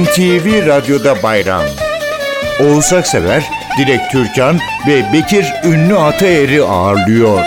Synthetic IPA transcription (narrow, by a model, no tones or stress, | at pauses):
mt̪ʰiːviɾad̪jo̞d̪abajɾa̰m | o̞lˠsaksevæɾd̪̥iɾɛc̚t̪ʰyɾcʰan | vɛbecʰiɾynːyat̪ʰaeɾiaːɾlˠɯjoɾ̥